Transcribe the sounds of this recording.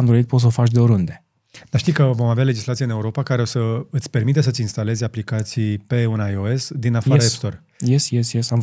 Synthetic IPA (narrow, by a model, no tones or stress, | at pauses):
md̪ɾoit̪̚pot̪s̬ofat͡ʃd̪eoɾund̪e | d̪̥aʃt̪ijkəvo̞maveale̞d͡ʒislat̪sieɨne̞uɾo̞pakaɾe̞o̞səɨt̪sʲpe̞rmit̪̬es̬əɨt̪ʲinst̪ale̞zaplikat̪sijpe̞unajoe̞sd̪inafaɾaepst̪o̞r | jesjesjesam